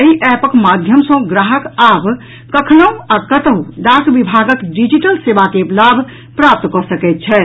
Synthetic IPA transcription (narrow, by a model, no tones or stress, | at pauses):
əiʔɛpəkmad̪ʱjəmsə̃ɡɾaɦəkabʱ | kəkʰnəwakət̪əwɖakbibʱaɡəkɖid͡ʒiʈəlsebakelabʱ | pɾap̚t̪kɔsəkɛt̪̚t͡ʃʰɛ